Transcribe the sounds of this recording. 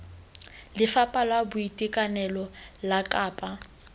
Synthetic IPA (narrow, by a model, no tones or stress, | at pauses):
lɪfapʼalwabʊitʼikʼanɛlɔlakʼaːpʼa